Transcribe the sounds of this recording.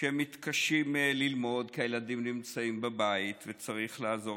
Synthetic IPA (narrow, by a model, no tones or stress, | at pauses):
emit̪kaʃimlilmo̞dkejeladimnimt͡saimbebait̪vet͡saʁiχlaːzo̞